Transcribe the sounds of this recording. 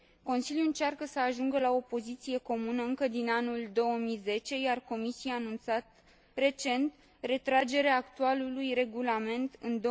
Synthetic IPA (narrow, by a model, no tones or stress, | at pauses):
ko̞nsiljuɨnt͡ʃarkəsəaʒuŋɡəlao̞po̞zit̪sije̞ko̞munəɨŋkəd̪inanuld̪o̞wəmijze̞t͡ʃe̞jarko̞misiaːnunt̪sat̪ | re̞t͡ʃe̞nt̪ | re̞t̪ɾad͡ʒe̞ɾeaːkt̪ualulujre̞ɡulame̞nt̪ɨnd̪o